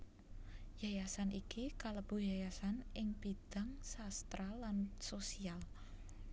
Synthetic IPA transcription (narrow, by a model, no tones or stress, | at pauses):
jajasanikikaləb̥ṳjajasanɪŋpid̪̥a̤ŋsast̪ɾalansosial